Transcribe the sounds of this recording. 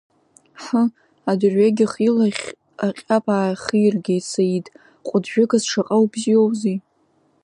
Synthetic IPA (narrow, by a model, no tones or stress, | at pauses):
ħə | adʊrɥaɡʲɪχilaχʲ | aqʲʼapʰʼaːχirɡʲejt͡sʰaitʼ | qʷʼʊdʒᶣʊɡazʂaqʼawbziowzi